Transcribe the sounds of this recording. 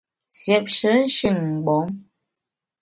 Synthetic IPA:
sjɛ˨p̚ʃə˨˦n̩˦ʃi˦˨ŋ˨ɡ͡bɔ˨˦ŋ

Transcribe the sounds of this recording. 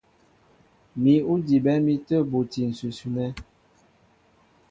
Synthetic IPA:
mi˨u˦di˨bɛ˦mi˦tə˦bo˨ti˨n̩˨su˨su˨nɛ˦

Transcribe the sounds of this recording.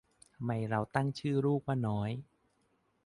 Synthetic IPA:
ma˧˩jɾa˧wt̪a˥˩ŋt͡ɕʰɯː˥˩ɾuː˥˩k̚waː˥˩nɔː˦˥j

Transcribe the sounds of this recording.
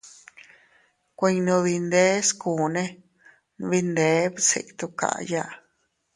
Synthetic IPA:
kʷẽ˧ɲ˧nũ˧βi˧nd̪e˦skuː˨nẽ˦ | n˧βi˧nd̪e˨˦βsḛ˧˨ʔt̪u˧ka̰˨ʔja˦ʔ

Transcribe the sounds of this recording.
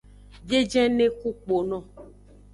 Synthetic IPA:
d͡ʒe˦d͡ʒɛ̃˦nẽ˦ku˦k͡po˨nɔ̃˨

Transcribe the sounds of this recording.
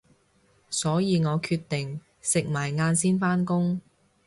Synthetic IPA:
sɔː˨˥jiː˨˧ŋɔː˨˧kʰyː˧t̪ɪ˨ŋ | sɪ˨k̚maː˨˩jŋaː˧nsiː˥nfaː˥nkʊ˥ŋ

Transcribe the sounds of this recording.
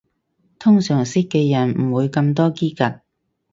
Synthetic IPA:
t̪ʰʊ˥ŋsœː˨˩ŋsɪ˥kːɛː˧jɐ˨˩nm̩˨˩wuː˨˧jkɐ˧mt̪ɔː˥kiː˥kɐ˨t̚

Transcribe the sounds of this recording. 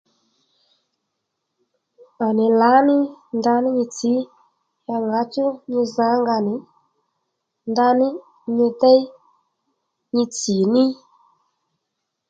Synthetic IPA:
a˨nɪ˨la˨˦nɪ˦nda˧nɪ˦ɲi˧t͡si˨˦ | ja˧ŋɡa˨˧˦t͡ʃu˦ɲi˧za˨˦ŋɡa˧˨nɪ˨˦ | nda˧nɪ˦ | ɲi˧t̪ɛ˦ | ɲi˧t͡si˨nɪ˦

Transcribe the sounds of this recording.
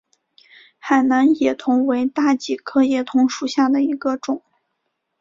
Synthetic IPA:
xa˨˩ɪna˧˥njɛ˨˩t̪ʰʊ˧˥ŋwe˧˥ɪt̪a˥˩t͡ɕi˨˩kʰɤ˥˧jɛ˨˩t̪ʰʊ˧˥ŋʂu˨˩ɕja˥˩d̪ə˩i˧˥ɡə˧ʈ͡ʂʊ˨˩˦ŋ

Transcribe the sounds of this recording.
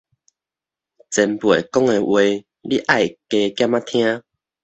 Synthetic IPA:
t͡sɛ˧npwe˨˩kɔ˦ŋe˧we˧ | li˦ʔa˥˨jke˧kja˦˨mã˦t̪ʰj̃ã˦

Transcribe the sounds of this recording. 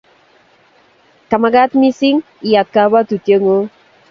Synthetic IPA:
ka˨ma˨ɡa˦t̪mi˦si˦ŋ | i˨ja˨t̪̚ka˦ba˦t̪u˨tje˦ŋo˦

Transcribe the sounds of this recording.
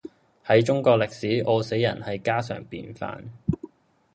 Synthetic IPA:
hɐ˨˥jt͡ʃʊ˥ŋkɔː˧k̚lɪ˨k̚siː˨˥ʔo˧wse˨˥jɐ˨˩nhɐ˨jkaː˥sœ̰ː˨˩ŋpḭː˨˧nfa̰ː˧n

